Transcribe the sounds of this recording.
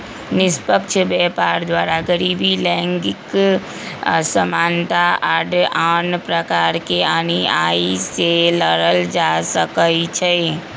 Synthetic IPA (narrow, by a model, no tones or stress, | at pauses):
nɪspəkt͡ʃʰbɛpaɾd̪waɾaɡəɾibilɛ̃ŋɡɪk | səmaːnt̪aaɖanpɾəkaɾkeaːniaiseləɾəld͡ʒasəkəlt͡ʃʰɛ